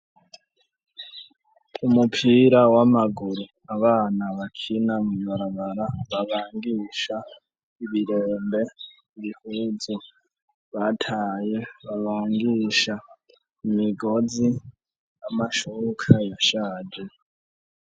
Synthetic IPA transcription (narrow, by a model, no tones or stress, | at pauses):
umupʰiːɾawamaɡuɾu | aβaːnaβakʰinamuβaɾaβaɾaβaβaːŋɡiʃa | iβiɾeːmbe̞ | iβihuːzu | βatʰaːjeβaβaːŋɡiʃa | imiɡo̞zi | amaʃukʰajaʃaːd͡ʒe